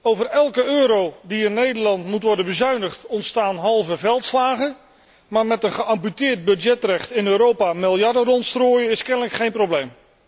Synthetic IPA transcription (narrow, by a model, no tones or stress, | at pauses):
owvərɛlˠkəøːɾowdiɪnːejdəɹlɑntmutʋɔɹdənbəzœɥnəχtɔntstaːnɦɑlˠvəvɛlˠtslaːχə | maːɹmɛtənχəʔɑmpytɪːɹd̚bɵdd͡ʒɛtrɛχtɪnøːɾowpaːmɪlˠjɑɹdərɔntstroːjəɪskɛnələkχejnprowblejm